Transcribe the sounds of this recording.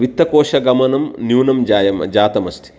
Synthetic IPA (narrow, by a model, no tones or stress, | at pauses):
ʋit̪ːɐkɔːʂɐɡɐmɐnɐmnjuːnɐmd͡ʒaːjɐmd͡ʒaːt̪ɐmɐst̪ʰi̥